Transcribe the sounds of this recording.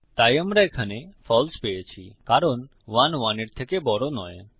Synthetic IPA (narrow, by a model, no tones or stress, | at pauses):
t̪ajəmɾajkʰanefʰɔlspeet͡ʃʰḭkaɾɔn | ʋanʋaniʈ̚t̪ʰekebɔɾonɔj